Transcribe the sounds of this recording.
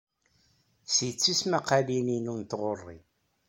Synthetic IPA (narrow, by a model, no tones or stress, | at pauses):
sjt͡sːismaqalininunt̪ʁorˤːḭ